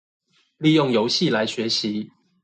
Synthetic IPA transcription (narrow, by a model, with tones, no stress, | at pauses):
li˥˨jʊ˥˨˩ŋjo˧˥ʊɕi˥˨la˧˦ɪɕɥɛ˨˦ɕi˨˦